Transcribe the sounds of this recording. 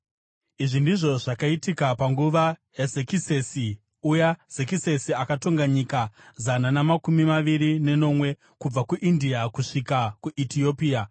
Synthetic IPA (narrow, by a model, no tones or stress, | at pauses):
iʐindiʐo̞ʐakaitikapaŋɡuʋajazekisesi | ujaz̥ekise̞siakato̞ŋɡaɲikazananamakumimaʋiɾine̞no̞mwe̞ | kub͡vakuʔindiakuʂikakuʔitio̞piːa